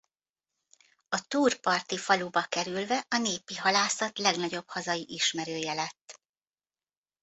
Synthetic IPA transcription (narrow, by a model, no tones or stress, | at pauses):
ɒt̪uːrpɒrt̪ifɒlubɒkɛɾylvɛʔɒneːpiɦɒlaːsɒt̪lɛɡnɒɟo̞bhɒzɒjiʔiʃmɛɾøːjɛlɛt̪ː